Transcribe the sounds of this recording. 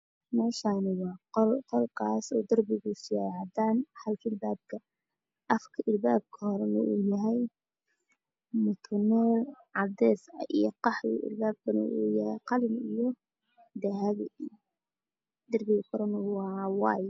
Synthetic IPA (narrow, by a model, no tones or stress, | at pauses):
mɛːʃaːnɪwɑːlqʰɔlkʰaːsɔːd̪ɐrbɪɣʊsɪʕɑd̪aːnħɐlkʰɪlbaːb̚kʰɐ | ʔɐfkʰɐʔɪlbaːb̚kʰɐhɔɾɐnɐ̰ʔuːjɐɦɛj | mʊt̪ʰɐnɔːlʕɑd̪ɛːsɐʔijɔqɑħwɪ̰ʔɪ̰lbaːb̚kʰɐnɪ̰ʔuːjɐhɛjqɑlɪnijɔ | d̪ɐɦaβɪj | d̪ɐrbɪɣɐkʰɔɾɐnɐwɑːwɑːj